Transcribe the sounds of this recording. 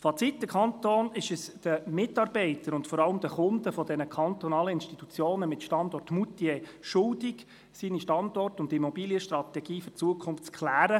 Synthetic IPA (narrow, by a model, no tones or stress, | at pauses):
fɑt͡sitːəkʰχɑnt̪oːnɪʃəsd̥əmɪtːɑɾbɛɪtəɾʊntfɔɾɑləmd̥əχʊndəfɔdɛnəkʰɑnt̪ɔnɑːləɪnʃtit̪ut͡sjoːnəmɪtʃtɑndɔrtmutiɛʃʊldɪɡ | siːniʃtɑndɔrtʊndimɔbiːljəʃtrɑtɛɡ̥iːfʏrt͡suəkʰχʊnft͡skχlæːɾə